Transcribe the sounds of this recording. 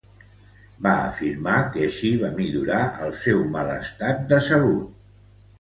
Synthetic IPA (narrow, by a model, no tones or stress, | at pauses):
baə̰fiɾmakəːʃiβamiʎuɾaʔəlˠsɛwmələst̪at̪̚d̪əsəlut̪̚